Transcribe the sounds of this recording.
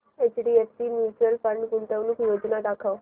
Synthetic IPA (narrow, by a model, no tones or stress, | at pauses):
et͡ʃɖiefsiːmjut͡ɕuəlfə̃ɳɖɡunt̪əʋnukjod͡ʒnad̪akʰaw